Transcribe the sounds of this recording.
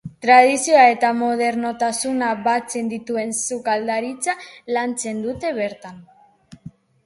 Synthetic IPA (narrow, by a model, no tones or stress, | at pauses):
t̪ɾað̞isioae̞t̪amo̞ð̞e̞ɾno̞t̪asunaβat͡se̞nd̪it̪ue̞nsukald̪aɾit͡salant͡se̞nd̪ut̪e̞βe̞ɾt̪an